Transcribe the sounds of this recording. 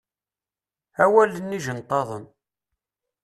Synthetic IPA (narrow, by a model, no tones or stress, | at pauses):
æwælːənːiʒənt̪ˤːɑðˤən